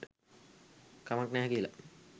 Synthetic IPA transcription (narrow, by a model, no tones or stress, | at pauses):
kamaknæːɦkiəla